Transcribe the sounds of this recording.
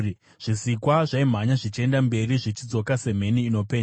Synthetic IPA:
ʐ̥isikwaʐaim̤aɲaʐit͡ʃie̞ndambe̞riʐit͡ʃid͡zo̞kase̞m̤e̞niːno̞pe̞ːɲ

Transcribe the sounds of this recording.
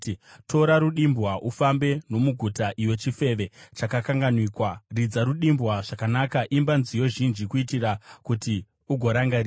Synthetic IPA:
tʰo̞ɾaɾuɗimbwaʔufambe̞no̞muɡʱutaʔiwe̞t͡ʃife̞ʋe̞t͡ʃakakaŋɡanwikwarid͡zaɾuɗimbwaʐ̥akanakaʔimbanzijo̞ʒind͡ʒikuitirakuti | uɡʱo̞ɾaŋɡari

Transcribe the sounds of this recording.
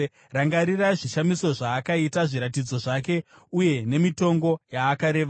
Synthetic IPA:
raŋɡaɾiraʐiʃamiso̞ʐaːkaitaʐiɾatid͡zo̞ʐake̞ | uje̞ne̞mito̞ŋɡo̞jaːkaɾe̞ːʋ

